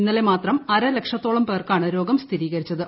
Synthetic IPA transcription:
inːɐle̞maːt̪rɐmɐɾɐlekʂɐt̪ːoːɭɐmpeːrkaːɳɨɾo̞ːɡɐmst̪ʰiɾiːɣɐɾit͡ɕːɐðɨ

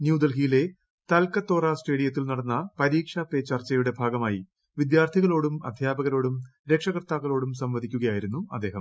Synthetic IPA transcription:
njuːd̪ɐlɡijile̞ | t̪ɐlkɐt̪ːo̞ːraːsʈe̞ːɽijɐt̪̬ːilnɐɽɐnːɐpɐɾiːkʂape̞ːt͡ɕːɐrt͡ɕːɐjuɽe̞bʱaːɡɐmaːji | ʋid̪jaːrt̪ʰiɣɐɭo̞ːɽumɐ̰d̪ʱjaːbɐɣɐlo̞ːɽumɾe̞kʂɐɣrt̪aːkːɐɭo̞ːɽumsɐmʋɐd̪ʱikʲːuɣɐjaːjiɾunːuɐ̰d̪ːeːɦɐm

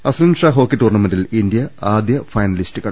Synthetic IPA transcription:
ɐslɐnɖʂaːɦo̞ːkːetːuːrɳɐmɐndilindjɐaːd̪jɐfɐjnɐlistɨɣɐ

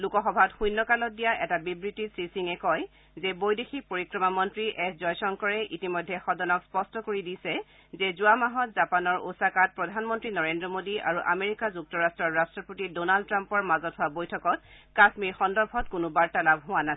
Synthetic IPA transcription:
lukɔxɔbʱatxujnːɔkalɔt̚dijaʔɛtabibɹitisɹisiŋɛkɔj | zɛbojdexipoɹikɹɔmamɔntɹiʔɛszɔjsɔŋkɔɹɛʔitimɔjdʱɛxɔdɔnɔkspɔstɔkoɹidisɛ | zɛzuwamaɦɔtzapanɔɹo̰sakat̚pɹɔdʱanmɔntɹinɔɹendɹɔmodiʔa̰ɹuʔameɹikazuk̚tɔɹastɹɔɹːastɹɔpotidonaldtːɹampɔɹmazɔtɦʊabojtʰɔkɔt̚ | kasmiɹxɔndɔɹbʱɔtkʊnʊbaɹtɛlabɦʊwana

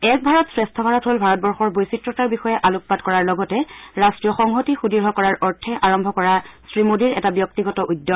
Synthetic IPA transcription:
ɛk̚bʱaɹɔtsɹɛstʰɔbʱaɹɔtɦolbʱaɹɔt̚bɔɹxɔɹbojsitɹɔtaɹbixɔjɛʔaluk̚patkɔɹaɹlɔɡɔtɛɹastɹijɔxɔŋɦotixudiɹɦɔkɔɹaɹʔɔɹtʰɛʔaɹɔmbʱɔkɔɹasɹimodiɹɛ̰tabjɔk̚tiɡɔtɔʔudːɔ

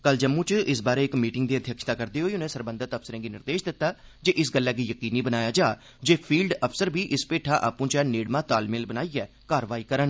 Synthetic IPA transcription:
kəld͡ʒəmːũːt͡ʃʔɪs̬baːɾeːɪkmiːʈɪŋɡd̪iːəd̪ʱjəkʃət̪aːkəɾd̪eːɦoːiːʊnɛ̃ːsəɾbə̃nd̪ət̪əpsəɾɛ̃ːɡiːnɪɾd̪eːʃd̪ɪt̪ːaːd͡ʒeːʔɪsɡəlːɛːɡiːjəkiːniːbənaːjaːd͡ʒaː | d͡ʒeːpʰiːlɖəpʰsəɾbʱiːʔɪspeːʈʰãːʔa̰ːpũːt͡ʃɛneːɽmãːt̪aːlmɪlbənaːiɛː | kaːɾʋaːiːkəɾən

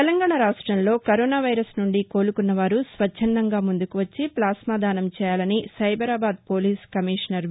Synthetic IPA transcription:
ɛlɐŋɡaːɳɐɾaːʂʈɾɐmlo̞ːkɐɾoːnaːʋɐjɾɐsnuɳɖiko̞ːlukunːɐʋaːɾusʋɐt͡ʃʰːɐnd̪ɐŋɡaːmund̪ukuʋɐt͡ʃːiplaːsmaːd̪aːnɐmt͡ʃɛːjaːlɐnisɐjbɐɾaːbaːd̪̚poːliːskɐmiːʂɐnɐɾ

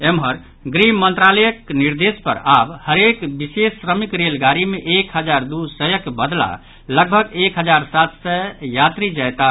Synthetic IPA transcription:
emɦəɾ | ɡɾimənt̪ɾaləjəkniɾd̪espə̰ɾabhəɾekbisesːɾəmikɾelɡaɾimeʔekɦəd͡ʒaɾd̪usəjəkbəd̪la̰ | ləɡ̚bʱəɡekɦəd͡ʒaɾsat̪səjat̪ɾid͡ʒəjt̪a

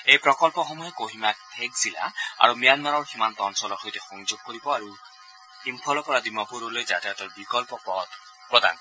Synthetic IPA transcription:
ejpɾɔkɔlpɔxɔmuɦekoɦimakpʰeɡzila̰a̰ɾumijanmaɾɔɾhimant̪ɔnsɔlɔɾxojt̪exɔŋd͡ʒoɡ̚koɾibɔaɾu | impʰɔlɔkɔɾad̪imapuɾolojd͡ʒat̪iat̪ɔɾbikɔlpɔpɔt̪ | pɾɔd̪a̰n

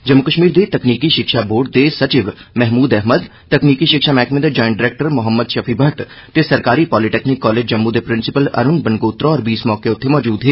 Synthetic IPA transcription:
d͡ʒəmːʊkəʃmiːɾd̪eːt̪əkniːkiʃɪkʃaːboːɾɖ̚d̪eːsət͡ʃɪʋmɛɦmuːd̪ɛɦməd̪ | t̪əkniːkiʃɪkʃaːmɛːkʰmed̪ed͡ʒɔːɪɳɖɪɾeːk̚ʈəɾmʊɦəmːəd̪ʃəpʰiːbʱəʈ | t̪esəɾkaːɾiːpɔːliʈeːknɪkːɔːleːd͡ʒd͡ʒəmːud̪eːpɾɪnsɪpələ̰ɾʊnbənɡoːt̪ɾoɔːɾbiːsmɔːkeʊt̪ʰːemɔːd͡ʒuːd̪ɦeː

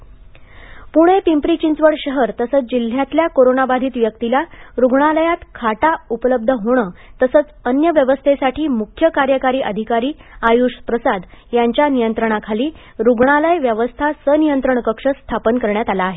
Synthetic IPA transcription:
puɽ̃epimpɾit͡ɕint͡sʋəɽɕəɦəɾt̪əsət͡sd͡ʑil̤ːjat̪ljakoɾonabad̪ʱiːt̪ʋjək̚t̪ilaɾuɡɳ̃aləjat̪kʰaʈaupələb̚d̪ʱəɦoɽ̃əːt̪əsət͡sənjəʋjəʋəst̪ʰesaʈʰiːmukʰjəkaɾjəkaɾiːʔəd̪ʱikaɾiːajuɕpɾəsad̪jaɲt͡ɕjanijənt̪ɾəɳ̃akʰaliː | ɾuɡɳ̃aləjʋjəʋəst̪ʰasənijənt̪ɾəɳkəkʂəst̪ʰapənkəɾɳjat̪alaːɦe

